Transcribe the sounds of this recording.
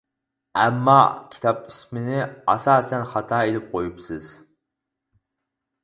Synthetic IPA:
æmːɑ̰kʲʰi̥t̪ʰɑpi̥smɪnɪɑ̰sɑːsɛnχɑt̪ʰɑːelɪp̚qʰojupsɨz̥

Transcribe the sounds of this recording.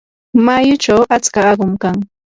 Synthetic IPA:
majʊt͡ʃawʔat͡skaːɢʊmkaŋ

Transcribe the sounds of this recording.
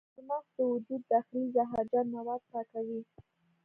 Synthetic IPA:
əmasd̪əwʊd͡ʒud̪ːaxlizaɦɑɾd͡ʒɑnːawɑz̚tɑkawi

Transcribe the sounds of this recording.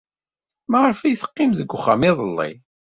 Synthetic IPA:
mæʁəɾfæjθə̥qːɪmzəɡʷːʊχːamiðˤəlːḭ

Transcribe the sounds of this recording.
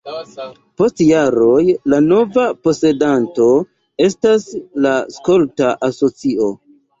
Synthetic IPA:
po̞stjaɾo̞jlano̞vapo̞se̞danto̞ | e̞staslaskoltaʔaso̞t͡sio̞

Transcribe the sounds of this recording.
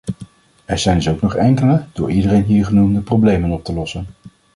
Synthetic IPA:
ɛɹzɛjndɵsowknɔχɛŋkələd̥ʊ̰ːɹidərejnɦiːɹχənumdəprowblejmənɔp̚təlɔsən

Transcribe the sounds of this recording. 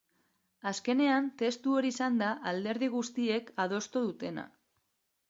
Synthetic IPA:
aske̞ne̞ant̪e̞st̪uoɾiːsand̪aʔːld̪e̞ɾð̞iɣ̞ust̪ie̞kað̞o̞st̪oðut̪e̞na̰

